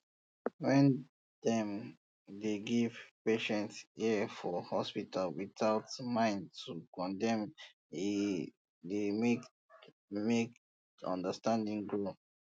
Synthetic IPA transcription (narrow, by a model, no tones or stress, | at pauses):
wɛ̃n | dɛ̃m | deɡivpeʃɛ̃ntsifɔhɔspitʰalwiθaʊtmãɪ̃ntʰukɔ̃ndɛ̃m | i | demek | mek | ɔ̰̃ndəstãndĩŋɡɹo